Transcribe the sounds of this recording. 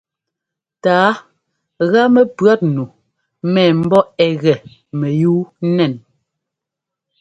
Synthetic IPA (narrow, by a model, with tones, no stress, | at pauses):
taː˨˦ | ɣa˦mɛ˦˨pɰa˦t̚nu˨ | mɛː˨m̩˦bɔ˦ɛ˨ɣɛ˨ | mɛ˨juː˦nɛ˨n